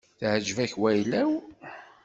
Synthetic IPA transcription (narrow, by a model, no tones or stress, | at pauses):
θhəd͡ʒːvæçwæjlæw